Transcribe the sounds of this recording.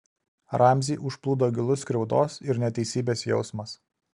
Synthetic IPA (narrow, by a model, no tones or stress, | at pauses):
ɾɑːˑmʲzʲiːʔʊʃplˠuːd̪oːɡʲɪlˠʊskɾʲɛʊd̪oːsɪɾnʲɛt̪ʲɛɪsʲiːbʲeːsjɛʊsmɐs